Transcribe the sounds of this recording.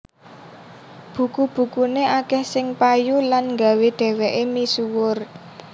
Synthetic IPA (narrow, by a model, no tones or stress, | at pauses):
b̥ṳkub̥ṳkuneʔakɛhsɪŋpajulanŋɡa̤weɖ̪̥ɛ̤weʔemisuwʊr